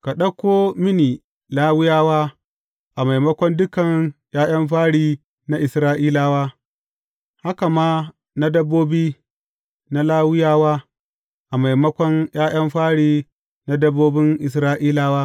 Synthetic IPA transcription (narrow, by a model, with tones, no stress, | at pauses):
ka˨ɗɐ˦kʷoː˦mɪ˦niː˨ | laː˦wɪ˦jaː˦waː˦ | ʔa˨ma˨jmɐ˦kʷɔ˦ndʊ˦kɐ˨ŋjaː˦j̰ɐ˦mɸ̬aː˦ɽiː˦ | na˦ʔɪ˨sɾaː˦ʔiː˦laː˦waː˦ | ha˦ka˨maː˦ | na˦dɐ˦bːoː˦biː˦ | na˦laː˦wɪ˦jaː˦waː˦ | ʔa˨ma˨jmɐ˦kʷɔ˦ŋj̰aː˦j̰ɐ˦mɸaː˦ɽiː˦ | na˦dɐ˦bːoː˦bɪ˦ŋʔɪ˨s̬ɾaː˦ʔiː˦laː˦waː˦